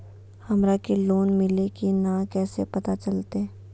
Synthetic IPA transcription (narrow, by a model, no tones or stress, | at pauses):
hɐmɾakeloːnmɪlekinãkɛːsepɐt̪at͡ʃɐlt̪e